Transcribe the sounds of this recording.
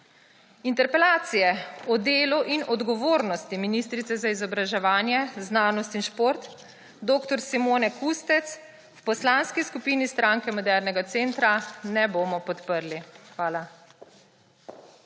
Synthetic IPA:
int̪ɛɾpɛlaːt̪sijɛɔd̪eːluʔinɔd̪ɡɔʋoːɾnɔst̪iminist̪ɾit̪sɛzaizɔbɾaʒɛʋaːnjɛznaːnɔst̪inʃpoɾt̪ | d̪oːkt̪ɔɾsimoːnɛkust̪ɛt̪s | wpɔslanskiskupiːnist̪ɾʔaŋkɛmɔd̪ɛɾnɛɡat̪seːnt̪ɾanɛboːmɔpɔt̪pəɾlixʋaːla

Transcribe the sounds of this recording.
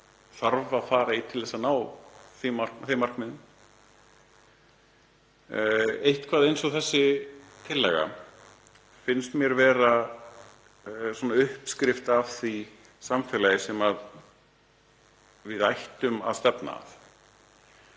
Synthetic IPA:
θaɾvaðfaːɾait̪ʰɪlθɛsanaːwθimḁkθemarkmɪðʏm | ejht̪kʰvaːðejnsɔɣθɛsːɪt̪ʰɪlːɛ̰ɣa̰ | fɪnst̪mjɛɾvɛːɾa | sɔnːaʏhpskɾɪft̪avθi | samfɛlajɪsɛmað | vɪðajht̪ʏma̰ðst̪ɛpna̰ːθ

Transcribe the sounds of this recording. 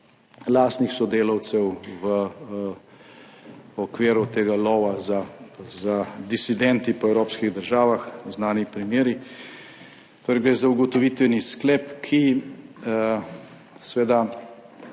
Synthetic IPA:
last̪nixsɔd̪eːlɐwt̪sɛwʋə | ɔkʋeːɾut̪eːɡalɔːʋazazad̪isid̪ɛnt̪ipɔɛwɾoːpskiɣd̪əɾʒaːʋaxznaːnipɾimjeːɾi | t̪oɾɛjɡɾeːzauɡɔt̪ɔʋiːt̪ʋɛnisklɛːpkʰi | sʋeːd̪a

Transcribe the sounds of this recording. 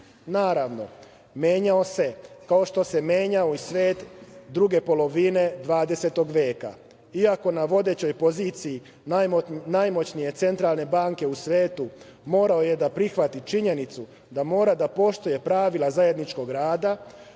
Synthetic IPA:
naːɾaʋno̞ | mje̞ːɲao̞se̞kao̞ʃt̪o̞se̞mje̞ːɲaoisʋe̞ːt̪d̪ɾuɡe̞po̞lo̞ʋine̞d̪ʋaːd̪e̞se̞t̪o̞ɡʋje̞ːka̰ | iako̞naʋo̞d̪e̞t͡ɕo̞jpo̞ziːt̪siji | najmo̞t͡ɕnije̞t̪se̞nt̪ɾaːlˠne̞baːŋke̞usʋe̞ːt̪u | mo̞ːɾao̞je̞d̪apɾixʋat̪it͡ʃiɲe̞nit̪su | d̪amo̞ːɾad̪apo̞ʃt̪oje̞pɾaʋilazaje̞d̪nit͡ʃko̞ɡɾaːd̪a

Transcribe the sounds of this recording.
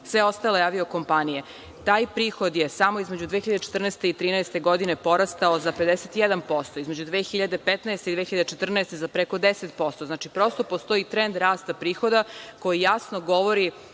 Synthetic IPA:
sʋeo̞st̪alojaːʋioko̞mpanije | t̪aːjpɾiːxo̞d̪jesamoizmed͡ʑud̪ʋeːxiʎad̪et͡ʃet̪r̩nɛst̪e̞it̪ɾiːnɛest̪e̞ɡo̞d̪inepo̞ɾast̪aozaped̪eset̪ijɛd̪anpo̞st̪oizmed͡ʑud̪ʋeːxiʎad̪e̞pet̪nɛest̪eid̪ʋexiʎad̪et͡ʃet̪r̩nɛest̪ezapɾekod̪eset̪̚po̞st̪oznat͡ʃipɾo̞st̪o̞post̪o̞it̪ɾend̪ɾaːst̪apɾiːxo̞d̪akojijasnoɡoʋoɾi

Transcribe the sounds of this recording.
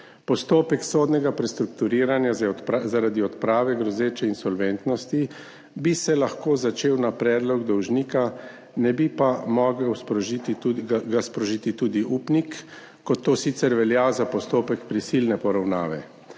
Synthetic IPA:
pɔst̪oːpɛksoːd̪nɛɡapɾɛst̪ɾukt̪uɾiːɾanjazzaɾaːd̪iɔt̪pɾaːʋɛɡɾɔzeːt͡ʃɛinsɔlʋɛnt̪nɔst̪i | bisɛlaxkoːzat͡ʃeːwnapɾɛːd̪lɔɡd̪ɔwʒniːka | nɛbipamɔɡəwspit̪ɡaspɾɔʒit̪it̪uːd̪iʔuːpnikː | ɔt̪ːoːsiːt̪sɛɾʋɛljazapɔst̪oːpɛkpɾisiːlnɛpɔɾawna̰ːʋɛ̰

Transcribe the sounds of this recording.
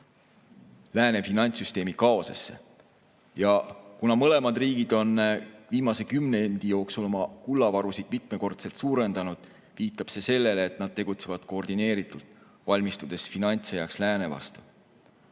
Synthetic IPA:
læːne̞finɑnʲt̪syst̪e̞ːmikɑo̞sḛsːe̞̰ | jɑkunɑmɤ̞le̞mɑd̪riːɡ̥id̪̥o̞nviːmɑse̞kymneend̪̥ijo̞ːksulomɑkulːɑvɑɾusid̪̥mit̪ˑme̞ko̞rt̪se̞lt̪suːɾe̞nd̪̥ɑnud̪̥ | viːt̪ːˑɑb̥se̞se̞lːe̞leːt̪ˑnɑd̪̥̚t̪e̞ɡ̥ut̪se̞vɑd̪̥ko̞ːrd̪̥ine̞ːɾit̪ːˑult̪ˑ | vɑlʲmist̪ud̪̥e̞sfinɑnʲt̪sejɑkslæːne̞vɑ̰st̪u̥

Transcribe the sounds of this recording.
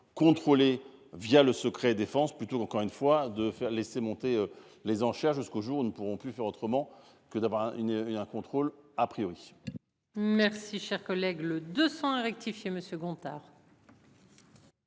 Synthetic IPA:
kɔ̃t̪χole | vjaləsəkχɛd̪efɑ̃splyt̪okɑ̃kɔʁynfwad̪əfɛʁlesemɔ̃t̪eø | lezɑ̃ʃɛʁʒyskoʒuʁunupuʁɔ̃pyfɛʁot̪χəmɑ̃ | kəd̪avwaʁɛ̃ɛ̃kɔ̃t̪χolapχijɔʁi | mɛʁsiʃɛʁkɔlɛɡləd̪øsɑ̃ɛ̃ʁɛk̚t̪ifjeməsjøɡɔ̃t̪aːʁ

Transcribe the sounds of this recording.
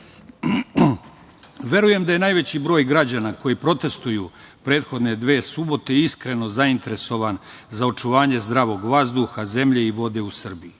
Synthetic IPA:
ʋe̞ɾuje̞md̪aje̞naːjʋe̞t͡ɕibɾo̞ːjɡɾad͡ʑanako̞jipɾo̞t̪e̞st̪uju | pɾeːt̪xo̞d̪ne̞d̪ʋe̞ːsubo̞t̪eiskɾe̞no̞zaint̪e̞ɾe̞so̞ʋanzao̞t͡ʃuʋaːɲe̞zd̪ɾaʋo̞ɡʋazd̪uxaze̞mʎe̞iʋo̞d̪e̞usr̩biju

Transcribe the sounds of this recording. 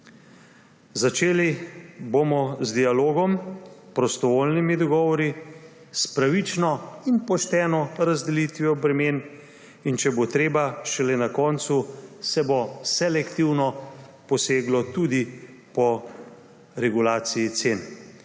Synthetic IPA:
zat͡ʃeːlibomɔzd̪ialoːɡɔmpɾɔst̪ɔʋolnimid̪ɔɡɔːʋɔɾi | spɾaʋit͡ʃnɔinpɔʃt̪ɛːnɔɾazd̪ɛlit̪ʋiɔbɾɛmeːn | int͡ʃɛbot̪ɾeːbaʃɛlɛnakɔːnt̪susɛbosɛlɛkt̪iwnɔpɔseːɡlɔt̪ud̪i | pɔ | ɾɛɡulaːt̪sijit̪seːn

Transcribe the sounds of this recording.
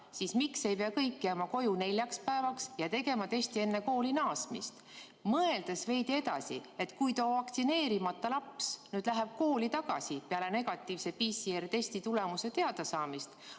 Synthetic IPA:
sismikse̞jpeɑkɤjkːjæmɑko̞june̞lʲjɑkspæevɑksjɑt̪e̞ɡe̞mɑt̪e̞sʲt̪ie̞nːe̞ko̞ːlinɑːsmḭst̪ | mɤeld̪esve̞jd̪ie̞d̪̥ɑ̰sḭe̞t̪ːkujt̪oːvɑkt̪sine̞ːɾimɑt̪ːˑɑlɑpsnyːd̪̥læɦeb̥̚ko̞ːlit̪ɑɡ̥ɑsipeɑle̞ne̞ɡ̥ɑt̪ːˑiːvse̞pisiert̪e̞sʲt̪it̪ule̞muse̞t̪e̞ɑd̪ɑsɑːmist̪

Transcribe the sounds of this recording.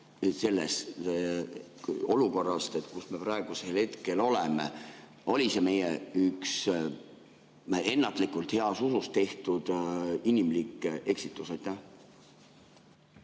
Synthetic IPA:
se̞lːes | o̞luko̞rːɑst̪e̞t̪kusme̞prɑeɡ̥use̞lhe̞t̪ke̞lo̞lemḛ | ʔo̞lʲise̞me̞jeyks | e̞nːɑt̪ˑlikːˑult̪he̞ɑsusust̪e̞ht̪ud̪̥inʲimlikˑːe̞ksit̪ːˑusɑjt̪ːˑæh

